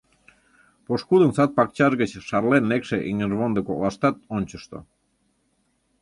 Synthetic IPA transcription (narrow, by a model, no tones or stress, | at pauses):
poʃkud̪ənsɑt̪̚pɑk̚t͡ɕɑʒɣət͡ɕʃɑrlenːekʃeʔiŋərβond̪ekolɑʃt̪ɑt̪̚onʲt͡ɕəʃt̪o̰